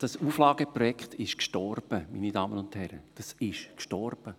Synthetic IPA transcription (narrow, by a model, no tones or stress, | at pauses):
d̥ɑsuːflɑːɡ̥əpɾɔjɛkχtɪʃkʃtɔrb̥əmḭːnidɑːmənʊnthɛɾə̰d̥ɑsɪʃkʃtɔrb̥ə